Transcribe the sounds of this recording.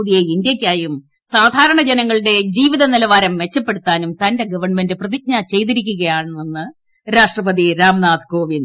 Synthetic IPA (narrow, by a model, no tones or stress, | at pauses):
uðijeind̪jɐkʲːaːjum | saːd̪ʱaːɾɐɳɐd͡ʑenɐŋːɐɭɨɽe̞d͡ʑiːʋiðɐnilɐʋaːɾɐmʋe̞t͡ɕːɐpːeɽut̪ːaːnumt̪ɐnde̞ɡɐʋɐrɳme̞ndɨprɐðik̚ɲaːt͡ɕe̞jt̪̬iɾikʲːuɣɐjaːɳenːɨ | ɾaːʂʈrɐpɐðiɾaːmnaːd̪ʰʱko̞ːʋin